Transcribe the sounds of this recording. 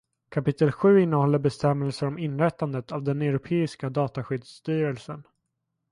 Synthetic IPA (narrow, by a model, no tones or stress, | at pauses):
kʰapɪt̪ːəlɧʉ̟ːɪnːəhɔlːəɾbɛst̪ɛmːɛlsəɾɔmɪnːɾɛt̪ːand̪ət̪avd̪ɛnɛɾʊpʰeːɪskad̪ɑːt̪aɧʏd̪st̪yːɾɛlsən